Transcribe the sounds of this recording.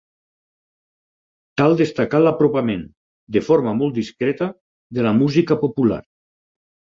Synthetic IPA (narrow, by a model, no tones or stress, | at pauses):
t̪alˠd̪est̪akalapɾopamẽn | d̪efoɾmamolˠt̪d̪iskɾet̪ə | ðelamuzikapopula̰ɾ